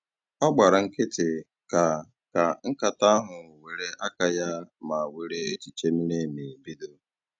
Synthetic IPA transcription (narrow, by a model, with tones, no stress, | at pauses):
ɔ˦ɡ͡ba˨ɾa˨ŋ̩˦kɪ˦tɪ˨ | ka˨ | ka˨ŋ̩˦ka˨ta˦a˦ɦʊ˨we˨ɾe˦ʔa˦ka˦ja˦ma˨we˨ɾe˦e˦t͡ʃi˨t͡ʃe˦m̩˦ne˦˨mi˨bi˦do˦